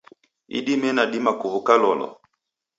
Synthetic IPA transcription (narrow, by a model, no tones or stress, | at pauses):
ḭɗimɛnaɗimakuvukalɔlɔ̰